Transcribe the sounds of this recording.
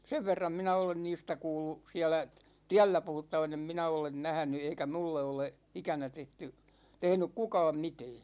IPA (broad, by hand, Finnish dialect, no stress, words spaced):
seʋ ʋerːɑm minæ olen niːstæ kuːlːu siælæ tiælːæ puhutːɑʋɑn em minæ olen næhæ̆ny eikæ mulːe ole ikænæ tehty tehnyk kukɑːm mitɛː